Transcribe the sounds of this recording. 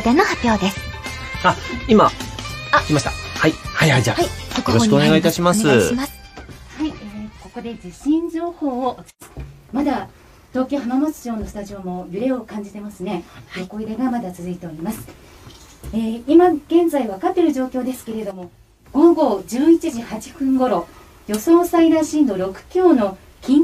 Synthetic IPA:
d̪enohapʲjo̞ːd̪e̞sɨ̥ | aima | ikʲimaɕi̥t̪a̰haihajhaid͡ʑa̰okooɕikɯoneɡait̪aɕimasɨmashaieko̞ko̞d̪e̞d͡ʑiɕĩɲd͡ʑo̞ːho̞ːoʔot͡s | mad̪a | t̪o̞ːkʲoːhamamat͡si̥ʑo̞ːno̞sɨ̥t̪aʑio̞mo̞jɯ̟ɾe̞o̞kãɲ̟d͡ʑit̪e̞masɨne̞jo̞ko̞iɾe̞ɡamad̪at͡sɨzɨit̪e̞o̞ɾʲimasɨ̥ | eːimaɡ̥ẽ̞nd͡zaiβakat̪ːe̞ɾɯ̟ʑo̞ːkʲo̞ːd̪e̞sɨ̥ke̞ɾe̞d̪o̞mo̞ | ɡ̥o̞ɡo̞ːd͡ʑɨːit͡ɕiʑihat͡ɕi̥ɸɯ̟̃ŋɡo̞ɾo̞ | jo̞so̞ːsaiɾaɕĩːnd̪o̞ɾo̞kɯ̟̥kʲo̞ːno̞ | kʲʰĩŋ

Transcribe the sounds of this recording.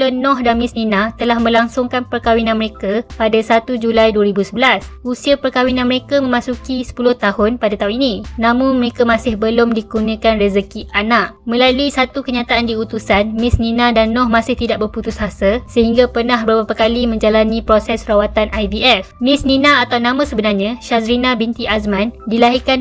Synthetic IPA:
ənɔ̃hdanmɪsninãt̪əlahmə̃laŋsʊŋkanpərkawinãnməɾekapadasat̪ud͡ʒulajduaɾibusəbəlasusiapərkawinãnməɾekamə̃mãsukisə̥pulʊht̪ahʊnpadat̪aɦʊ̃ninĩnãmʊnməɾekamãsɪhbəlʊmdikunə̃kanrezəkiʔanaʔmə̃laluisat̪ukəɲat̪aʔandiut̪usanmɪsninãdanːɔ̃hmãsɪht̪idaʔ̚bərput̪usɦasəsəhiŋɡapərnahbəɾbapakalimə̃ɲd͡ʒalanĩpɾosɛsrawat̪anʔajbiɛfmɪ̃sninãːt̪awnãmãsəbənarɲãʃasɾinãbint̪iasmãndilaɦirkan

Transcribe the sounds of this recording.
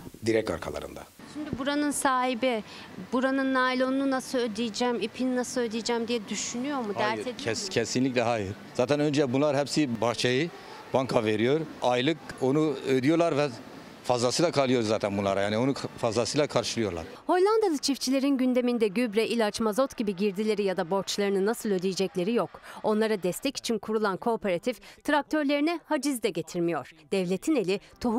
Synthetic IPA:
d̪iɾɛk̚t̪a̰ɾkʰa̰lˠa̰ɾɯ̰nd̪a̰ | ʃimd̪ybuɾanɯnsaːɦibi | buɾanɯnːajlʲˠo̞nununasɯlød̪ijd͡ʒɛmipʰininasɯlˠød̪ijd͡ʒɛmd̪ijɛd̪yʃynyjo̞ɾmud̪æɾʰɛcʰɛsinlʲiclʲɛɦaːjiɾz̥aːt̪ʰænønd͡ʒɛbunlˠaɾɦɛpsibaxt͡ʃʰajɯ | baŋkʰave̞ɾijo̞ɾajlˠɯk̚o̞nuød̪ijo̞ɾlˠaɾvɛ | fazlˠasɯjlˠakʰalˠɯjo̞ɾzaːt̪ʰænbunlˠa̰ɾajaːnio̞nufazlasɯjlˠakʰaɾʃɯlˠɯjo̞ɾlˠa̰ɾ̥ho̞jlʲˠand̪alˠɯt͡ʃʰift͡ʃʰilʲe̞ɾinɟynd̪e̞mind̪ɛɟybɾɛʔilʲat͡ʃmazo̞t̪ɟibiɟiɾd̪ilʲe̞ɾijad̪abo̞ɾt͡ʃlˠaɾɯnɯnasɯlˠød̪ijed͡ʒɛclʲe̞ɾijo̞ko̞nlˠaɾad̪ɛst̪ʰɛci̥t͡ʃʰinkʰuɾulˠankʰo̞ːpʰeɾat̪ʰift̪ʰɾak̚t̪ʰøɾlʲe̞ɾinɛhad͡ʒizd̪ɛɟet̪ʰiɾmijo̞ɾ̥d̪̥ɛvlʲe̞t̪ʰine̞lʲit̪ʰoɦu

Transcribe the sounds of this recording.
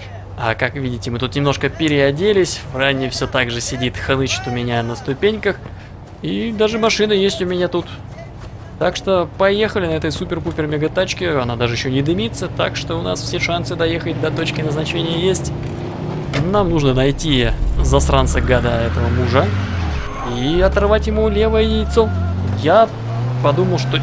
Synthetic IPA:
akakvʲidʲɪtʲɪmɨt̪ut̪nʲɪmno̞ʂkəpʲɪɾʲɪɐdʲelʲɪsʲvranʲɪfsʲot̪aɡʐɨsʲɪdʲit̪xɐnɨt͡ɕɪ̥t̪ʊmʲɪnʲanəst̪ʊpʲenʲkəx | id̪aʐɨmɐʂɨnəjesʲtʲʊmʲɪnʲat̪ut̪ | t̪akʂt̪opɐjexəlʲɪnɐɛt̪əjsupʲɪrpupʲɪrmʲɪɡɐt̪at͡ɕkʲɪɐnad̪aʐɨjɪɕːonʲɪd̪ɨmʲit̪sət̪akʂt̪oʊna̰sfsʲeʂansɨd̪ɐjexət̚ʲd̪ɐt̪o̞t͡ɕkʲɪnəznɐt͡ɕenʲɪjəjesʲtʲ | namnuʐnənɐjtʲizɐst̪ɾansɨɡad̪aɛt̪əvəmuʐə | iɐt̪ɐrvatʲjɪmulʲe̞vəjəɪjt̪soja | pɐd̪uməlˠʂt̪o

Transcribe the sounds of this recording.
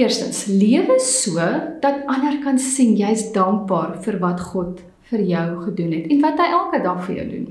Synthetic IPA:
iərstə̰nsliəvəsuəd̥ɐtɐnərkɐnsinjɐjsdɐŋk̚bɑːrfərvɐtχɔt | fərjœwχədunɦɛtɛnvɐtɦəjʔælˠkədɐχfərjə̰wdṵn

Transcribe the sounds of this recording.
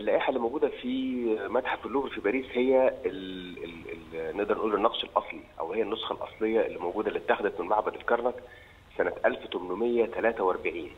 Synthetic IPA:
ʔelːæːʔiħalːimowɡuːd̪æfimæt̪ħafelːuːvfibæːɾiːshejːæelelneʔd̪ɑɾˤnʔuːlːonːɑqʃelʔɑsˤliʔæ̰whejːænːosxɑlʔɑ̰sˤlejːɑelːimowɡuːd̪ælːit̪ːæxed̪æt̪menmaʕbæd̪elkɑɾˤnɑk | sænæt̪ʔælft̪omnomejːæt̪ælæːt̪æwʔɑɾˤbaʕiːn

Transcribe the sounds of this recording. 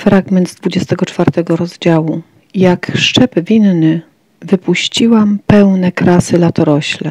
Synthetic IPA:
fɾaɡmɛnd̪zd̪vud͡ʑɛst̪ɛɡɔt͡ʂfaɾt̪ɛɡɔɾɔzd͡ʑawu | jakʂt͡ʂɛbvʲinnɘ | vɘpuɕt͡ɕiwampɛwnɛkɾasɘlat̪ɔɾɔɕlɛ

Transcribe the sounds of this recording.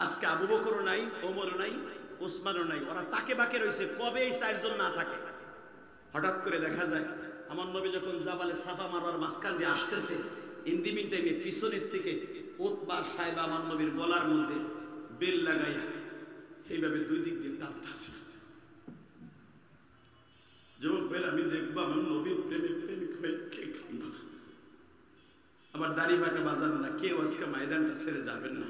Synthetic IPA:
askeabubokoɾonajomoɾonajosmanonajɔɾat̪akebakeɾojsʰekɔbeejsaeɾd͡ʑonnat̪ʰake | hɔʈat̪̚koɾed̪ɛkʰad͡ʑaeamaɾnobid͡ʑɔkʰond͡ʑabalesabʰʱamaɾaɾmaskand̪iaʃk̪esʰeind̪iminʈajnepisoneɾt̪ʰeke | ot̪baɾʃajbaamanːobiɾbɔlaɾmod̪ʱːebelːaɡaj | hejbʱabed̪ujd̪ik̚d̪ind̪at̪asi̥ḁ | d͡ʑɔbobʱelamid̪ek̚ʰboamonnobinpɾemepɾemikoekekʰambona | amaɾd̪aɾibʱakebazabonakewaskamajd̪anʈasʰeɾed͡ʑabenːa̰

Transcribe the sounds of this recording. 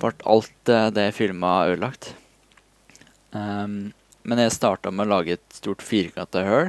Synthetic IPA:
ʋʔæʈʰɑ̰lt̪d̪ɛfɪlmɑœːlɑkt̪ | mɛnjæɪst̪ɑːʈɑmɛɔlɑːɡəɛt̪st̪uːʈfiːɾkʰɑnt̪ɑhøːɹ

